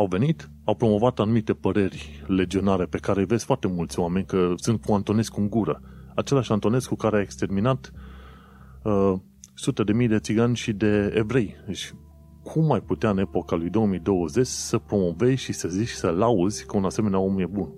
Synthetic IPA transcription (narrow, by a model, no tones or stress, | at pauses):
awve̞nit̪ | awpɾo̞mo̞vat̪anumit̪e̞pəɾe̞rʲle̞d͡ʒio̞naɾe̞pe̞kaɾe̞ve̞z̥ʲfoart̪e̞mult̪sʲoame̞nʲkəsɨnt̪̚kuant̪o̞nesʲkuŋɡuɾəat͡ʃe̞laʃant̪o̞ne̞zkukaɾeaekst̪e̞rminat̪ | ə | sut̪e̞d̪e̞mijd̪e̞t̪siɡanʲʃid̪e̞ːvɾe̞jd̪et͡ʃʲ | kʰumajput̪eaɨne̞po̞kalujd̪o̞omijd̪o̞wəze̞t͡ʃʲsəpɾo̞mo̞ve̞zʲʃisəzit͡ʃsəlauzʲkəunase̞me̞neao̞mje̞bun